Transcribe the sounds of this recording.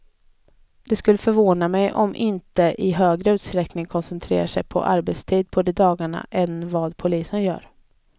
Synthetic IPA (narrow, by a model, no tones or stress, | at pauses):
d̪̥ɛskɵlːəfœɾvoːnamɛjʔɔ̰mʔɪnt̪əʔɪɦøːɡɾəʉ̟ːt̪st̪ɾɛknɪŋkʰɔnsɛnt̪ʰɾḛːɾaʂɛjpʰɔ̰ʔaɾbɛt̪st̪ʰiːd̪̚pʰɔd̪ɛd̪ɑːɡaɳa̰ʔɛnvɑːd̪pʰʊliːsənjœ̰ːɾ